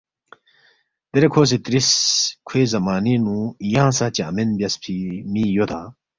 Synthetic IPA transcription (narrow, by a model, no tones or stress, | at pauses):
t̪eɾekʰoːs̬it̪ɾiskʰweːzɐmaːninũjãːsat͡ɕeɐ̰menbjɐspʰimijot̪ʰãː